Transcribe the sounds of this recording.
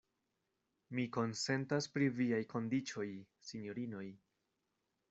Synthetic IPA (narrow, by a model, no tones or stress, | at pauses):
miko̞nse̞ntaspɾiviajkʰo̞ndit͡ʃo̞j | siɲjo̞ɾino̞j